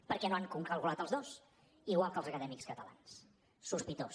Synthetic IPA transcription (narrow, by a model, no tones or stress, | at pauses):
pəɾkɛnoaŋkuŋkəlˠkulat̪əlˠzðos | iɣwalˠkəlˠzəkəðɛmikskət̪əla̰nsː | uspit̪os